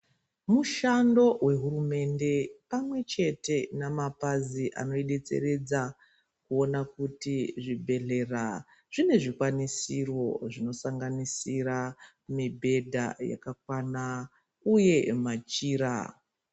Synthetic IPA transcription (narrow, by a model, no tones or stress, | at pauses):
muʃando̞we̞ɦurume̞nde̞pamwe̞t͡ʃe̞te̞namapaziʔa̰no̞iɗe̞t͡se̞̰re̞d͡za | kuo̞nakutiʐibʱe̞ɮe̞ra | ʐ̥ine̞ʐikwanisirwo̞ʐino̞saŋɡanisiɾa | mibʱe̞dʱa̰ja̰kak̚wana | uje̞mat͡ʃiːɾa̰